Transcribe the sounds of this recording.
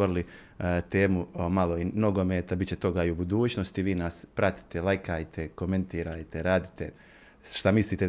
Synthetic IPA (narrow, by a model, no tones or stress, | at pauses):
oɾili | t̪eːmumaloino̞ɡo̞meːt̪abit͡ɕe̞t̪o̞ɡaiubud̪uːt͡ɕnost̪iʋiːnaspɾat̪i̥t̪elˠajkaːjt̪ʰeko̞me̞nt̪iːɾaːjt̪eɾaːd̪it̪e | ʃt̪amisliːt̪e